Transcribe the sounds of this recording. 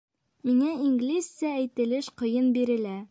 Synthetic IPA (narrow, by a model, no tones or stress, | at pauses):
miŋæiŋɡlʲissææjt̪ɘ̆lɘʃqɤ̆jɤnbiɾɘ̆læ